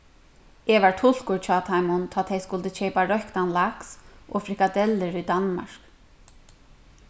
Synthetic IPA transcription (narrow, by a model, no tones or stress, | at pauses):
ɛʋaɹt̪ʰʊl̥kʊɹt͡ʃʰɔːt̪ʰajmʊnt̪ʰɔːt̪ʰejskʊlt̪ɪt͡ʃɛjpaɹœhkt̪anlaksʔɔfɾɪhkad̪ɛlːɪɹujd̪anma̰ɹ̥k